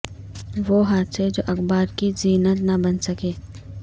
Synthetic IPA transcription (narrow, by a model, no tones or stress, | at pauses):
ʋoːɦaːt̪sed͡ʒo̰ːʔɐxbaːɾkiziːnət̪nɐbɐnsɐkeː